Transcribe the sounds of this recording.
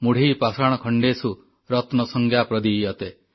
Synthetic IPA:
muɽ̤ʱiːpasaɽ̃ɔkʰɔɳɖesu | ɾɔt̪nɔsɔŋɡʱjapɾɔd̪ijɔt̪e

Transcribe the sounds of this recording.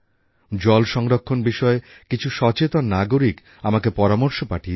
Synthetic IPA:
d͡ʑɔlʃɔŋɾokʰːonbiʃɔe | kit͡ɕʰuʃɔt͡ɕet̪onːaɡoɾik | amakepɔɾamoɾʃopaʈʰi

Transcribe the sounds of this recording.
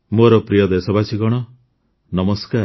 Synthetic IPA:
moɾɔpɾijɔd̪esɔbasʰikɔɽ̃ɔ | nɔmɔskaɾ

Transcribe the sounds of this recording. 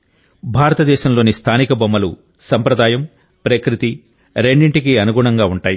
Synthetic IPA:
bʱaːɾɐt̪ɐd̪ɛːʃɐmlo̞ːnist̪ʰaːnikɐbɐmːɐlṵ | sɐmpɾɐd̪aːjɐm | pɾekɾit̪i | ɾe̞ɳɖiɳʈikiɐnuɡuːɳɐŋɡaːuɳʈaːji

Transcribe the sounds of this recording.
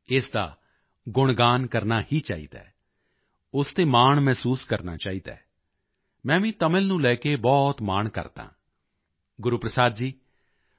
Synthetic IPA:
ɪːsd̪a̰ː | ɡʊɳɡaːnkəɾnaːhiːt͡ʃa̰ːḭːd̪a̰ː | ʊst̪eːmaːɳmɛːsuːskəɾna̰ːt͡ʃaːiːd̪a̰ː | mɛ̃ːʋĩːt̪əmɪlnũːlɛːkeːbɔːt̪maːɳkə̰ɾt̪ã̰ː | ɡʊɾuːpɾəsaːd̪d͡ʒiː

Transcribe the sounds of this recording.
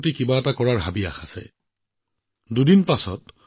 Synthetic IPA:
tikibaɛtakɔɹaɹɦabia̰xasɛ̰ | dudinpasɔt

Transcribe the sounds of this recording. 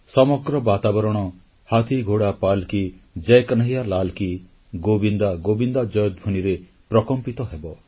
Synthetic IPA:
sɔmɔɡɾɔbat̪abɔɾɔɽ̃ɔ | hat̪ʰiɡʱoɽapalkid͡ʒejknaɦijalalki | ɡobind̪aɡobind̪ad͡ʒɔjɔd̪̚bʱuniɾe | pɾɔkɔmpit̪ɔɦebɔ

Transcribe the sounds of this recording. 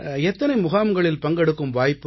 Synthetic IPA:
ɛt̪ːɐnɐɪmʊɣaːmɡɐɭɪlpɐŋɡɛɽɯkːɯmʋaːjpːɯ

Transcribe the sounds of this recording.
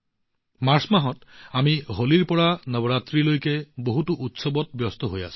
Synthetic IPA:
maɾsmaɦɔt̪amiɦoliɾpɔɽanəbɔɾat̪ɾilojkeboɦutuʔut̪sɔbɔt̪̚bjɔst̪ɔɦoja̰sʰu̥

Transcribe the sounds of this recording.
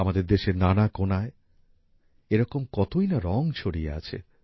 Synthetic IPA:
amad̪eɾd̪eʃeɾnanakonae | eɾɔkomkɔt̪ojnaɾɔŋt͡ɕʰoɽiḛa̰t͡ɕʰḛ

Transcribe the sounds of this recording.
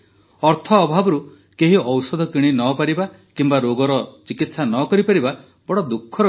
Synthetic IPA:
ɔɾt̪ʰɔːbʱabɔɾu | keɦiɔwsɔd̪ʱɔkiɽ̃inɔpaɾiba | kimbaɾoɡɔɾɔt͡ʃikit̪sanɔkɔɾipaɾiba | bɔɽɔd̪ukʰːɔɾɔ

